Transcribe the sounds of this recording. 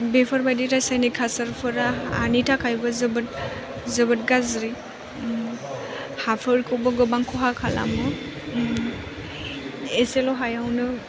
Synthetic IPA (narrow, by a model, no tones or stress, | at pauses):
bepʰɔɾbajdiɾajsajnikʰasaɾpʰɯɾaa̰nitʰakʰajbɔzɯbɯt̚ | zɯbɯt̚ɡazɾi | hapʰɯɾkʰɔbɔɡɯbaŋkʰɔɦakʰala̰mɯ | eselɔɦajawnɯ